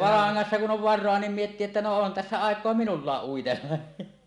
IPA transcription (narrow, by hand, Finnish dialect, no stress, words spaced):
lɑːŋːɑsːɑ kun ʔon ʋɑrˑoɑ niːm mietːiː etːæ no on tæsːæ ɑˑekˑoɑ minulːɑːʔ ʔuitelːɑ